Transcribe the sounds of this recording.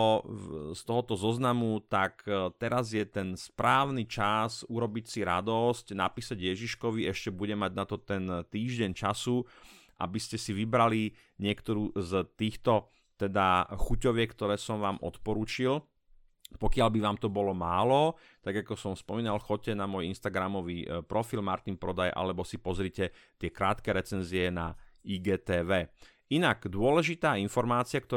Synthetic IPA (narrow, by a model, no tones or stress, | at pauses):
ɔst̪ɔɦɔt̪ɔzɔznamut̪akt̪ɛɾazjɛt̪ɛnspɾaːʊnit͡ʃasuɾɔbicsiɾa̰d̪ɔscna̰piːsaɟjɛʒiʃkɔʋiɛʃcɛbuɟɛmaɟnat̪ɔt̪ɛnt̪iːʒɟɛɲt͡ʃasu | ʔa̰biscɛsiʋibɾali | ɲɪɛkt̪ɔɾuːzt̪iːxt̪ɔ | t̪ɛd̪axucɔʋɪɛkt̪ɔɾɛːsɔmʋaːmʔɔ̰t̪pɔɾuːt͡ʃil | pɔkɪalbiʋaːmt̪ɔbɔlɔmaːlɔ | t̪aɡakɔsɔmspɔmiːnalxɔc̚cːɛnamɔjinst̪aɡɾamɔʋiːpɾɔfilmaɾt̪inpɾɔd̪ajʔa̰lɛbɔsipɔzɾicɛ | t̪ɪɛkɾaːt̪kɛɾɛt͡sɛnziɛna̰iːɡɛːt̪ɛːʋɛː | inaɡd̪ʊɔlɛʒit̪aːinfɔɾmaːt͡siakt̪ɔ